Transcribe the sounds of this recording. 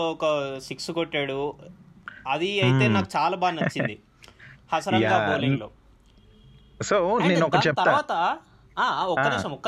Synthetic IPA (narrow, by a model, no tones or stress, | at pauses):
ɔkɐsiksukoʈːaːɽu | ɐd̪iɐjit̪e̞ːnaːkut͡ʃaːlaːbaːnnɐt͡ʃːind̪i | hɐsɐɾɐɡaːpoːliŋɡloː | sonenɔkɐt͡ʃɛp̚t̪ɐɾaʋaːt̪ɐ | aːɔkːɐniːʃɐmɔkːɐ